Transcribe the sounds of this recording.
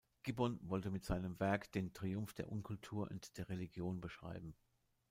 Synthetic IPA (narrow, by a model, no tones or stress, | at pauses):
ɡ̥ibɔnvɔltəmɪtz̥aɪnəmvɛɐkd̥eːntʁ̥iʊmfd̥eːɐʔʊnkʰʊltʰuːɐʔʊ̰ntd̥eːɐʁeliɡjoːnbəʃʁ̥a̰ɪbm̩